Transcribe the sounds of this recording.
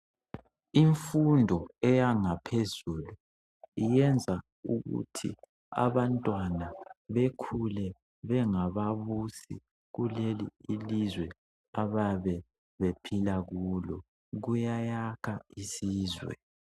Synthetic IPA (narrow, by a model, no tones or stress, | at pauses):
iɱfundʱɔɛjaŋapʰezuːlu | ijɛnd͡zʱa | ṵɣṵtʰḭ | a̰βantʼwanaβekʰulɛ | βɛŋaβaβusḭ | ɣuleliːlizwɛ | aβaβɛ | βepʰilaɣulɔ | ɣujajakʰaisiːzwɛ̰